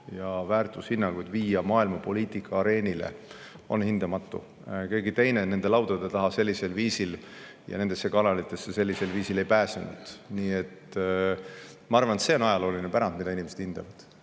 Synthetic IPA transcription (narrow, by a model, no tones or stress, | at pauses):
jɑvæːrt̪ˑushinːɑŋɡ̥ujd̪̥viːjɑmɑːilmɑpo̞liːt̪ikʰːɑːɾe̞ːnʲilḛ | o̞̰nhind̪̥ɑmɑt̪ːṵ | keɡit̪e̞jne̞ne̞nd̪̥e̞lɑwt̪ˑod̪̥et̪ɑɦɑse̞lʲːise̞lviːsil | jɑ̰ne̞nd̪̥e̞sːekɑnɑlit̪ːˑe̞sːese̞lʲːise̞lviːsile̞jpæːsenṵd̪̥niːe̞t̪ | mɑɑrvɑnet̪seo̞nɑjɑlo̞ːlinepæɾɑn̚mid̪ɑinimesed̪̥ind̪̥ɑ̰vɑd̪̥